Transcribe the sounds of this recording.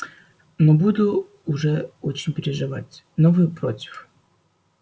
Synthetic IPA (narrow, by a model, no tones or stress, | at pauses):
nobud̪ʊː | ʐɛot͡ɕɪnʲpʲɪɾʲɪʐɨva̰tʲ | novɨjʊpɾotʲɪ̥f